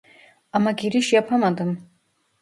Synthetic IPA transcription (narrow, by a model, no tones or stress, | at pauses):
amaɡiɾiʃjapʰamad̪ɨm